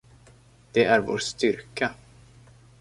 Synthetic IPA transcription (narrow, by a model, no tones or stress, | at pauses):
d̪̥ɛæɾvo̰ːʂt̪ʏɾka